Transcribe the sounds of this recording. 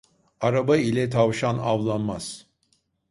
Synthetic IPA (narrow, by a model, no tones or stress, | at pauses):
aɾabailʲɛt̪ʰavʃanavlˠanmaz̥